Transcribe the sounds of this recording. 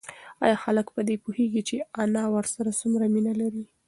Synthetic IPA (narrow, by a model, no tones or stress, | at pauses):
ɑ̰jɑxaləkpəd̪epuheɡit͡ʃeanɑwəɾsaɾasumɾaminalaɾi